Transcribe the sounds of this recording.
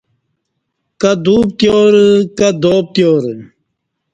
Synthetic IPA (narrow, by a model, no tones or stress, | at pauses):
kɐd̪uːb̚t̪joːɾkɐd̪oːb̚t̪joːɾ